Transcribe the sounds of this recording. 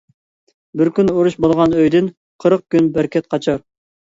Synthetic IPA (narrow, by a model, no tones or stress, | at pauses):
bɪɾkʲynoɾuʃbolˠʁɑnøjd̪ɪn | qʰəɾəq̚kʲynbæɾkʲɛt̪̚qʰɑt͡ʃʰɑɾ